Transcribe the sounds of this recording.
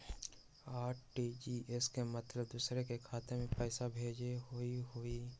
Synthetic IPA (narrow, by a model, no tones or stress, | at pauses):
aːʈʈid͡ʒiʔeskemət̪ləbd̪uːsɾekekʰaːt̪emẽpɛːsabʱeːd͡ʒeɦoiɦoi